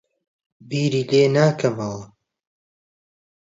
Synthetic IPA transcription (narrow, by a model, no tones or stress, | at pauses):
biːɾiːleːnaːkʰɐmɐlɐ